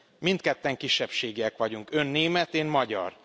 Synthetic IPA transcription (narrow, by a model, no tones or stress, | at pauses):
mint̪kɛt̪ːɛŋkiʃːɛpʃeːɡiɛkʋɒɟuŋkø̞nːeːmɛt̪eːnmɒɟɒ̰r